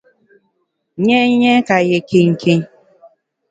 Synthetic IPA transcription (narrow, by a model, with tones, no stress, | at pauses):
ɲe˦ɲe˦ka˨jɪ˨ki˦ŋ̩˨kʰi˦